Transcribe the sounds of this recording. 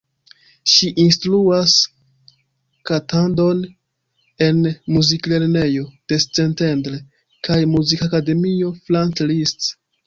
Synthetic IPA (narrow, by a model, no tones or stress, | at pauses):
ʃiʔinstɾuas | katʰando̞n | e̞nmuzikle̞ɾne̞jo̞d̥est͡se̞nte̞ndɾe | kʰajmuzikakade̞mio̞flantlist